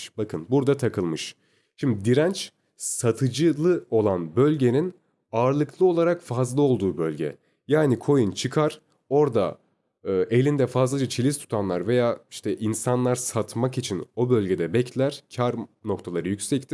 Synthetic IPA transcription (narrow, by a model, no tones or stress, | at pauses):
bakʰɯnbuɾd̪at̪ʰakʰɯlˠmɯʃ | ʃimd̪id̪iɾænt͡ʃ | sat̪ʰɯd͡ʒɯlˠɯo̞lˠanbø̞lʲɟe̞nin | aːɾlˠɯklˠɯo̞lˠaɾakfazlˠɯo̞lˠd̪uːbø̞lʲɟɛ̰ | jaːnikʰo̞junt͡ʃʰɯkʰaɾ̥ | o̞ɾd̪a̰ | ɯːʔe̞lʲind̪ɛfazlˠad͡ʒat͡ʃʰilʲist̪ʰu̥t̪ʰanlˠaɾve̞jaːiʃt̪ʰɛʔinsanlˠaɾsat̪makit͡ʃʰino̞bølʲɟe̞d̪ɛbɛclʲæɾ̥cʰaɾno̞kt̪ʰalˠaɾɯjycʲsɛct̪ʰi̥